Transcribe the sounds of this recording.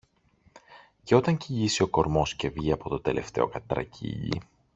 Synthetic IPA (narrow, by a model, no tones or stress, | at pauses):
ce̞o̞t̪ɐɲciʎisio̞ko̞ɾmo̞sce̞vʝiɐpo̞t̪o̞d̪e̞lʔe̞ft̪e̞o̞̰kɐt̪ɾɐ̰cʰḭʎḭ